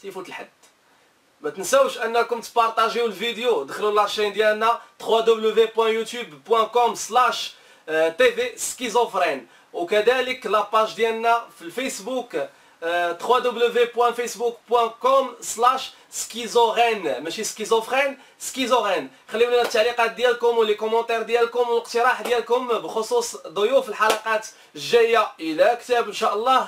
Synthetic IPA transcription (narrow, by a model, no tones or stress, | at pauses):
t̪ifut̪əlħad̪ː | mæt̪ənsæwʃʔənːækʊmt̪ːpɑɾˤt̪æʒiwlvid̪ejod̪əxlulaɾʃijnd̪jælnæt̪χwad̪ubləvepwæ̃jut̪jubpwæ̃kɔmslæʃ | t̪eveskizofɾɛn | wkæd̪æləklæpaʒd̪jælnæfilfæsbuk | t̪χwad̪ubləvepwæ̃fisbukpwæ̃kɔmslæʃ | skizoʁænmæʃiskizofʁin | skizoɣɛn | xælːiwlinæt̪ːaʕliqɑt̪̚d̪jælkʊmwlekʊmːɑ̃t̪ˤɛɾd̪jælkʊmwləq̚t̪əɾˤɑħd̪jælkʊmbəxosusd̪ˤojufəlħɑlɑqɑt̪ | ʒːæjːaəlækt̪æbənʃaʔəlˤːɑh